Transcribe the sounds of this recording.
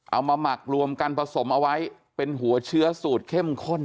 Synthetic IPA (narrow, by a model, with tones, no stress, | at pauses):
ʔa˧wmaː˧ma˨˩k̚ɾu˧əmka˧npʰa˧so˩˦mʔa˧wa˦˥j | pe˧nɦu˩˦ɐt͡ɕʰɯ˦˥ɐsuː˨˩t̪̚kʰe˥˩mkʰo˥˩n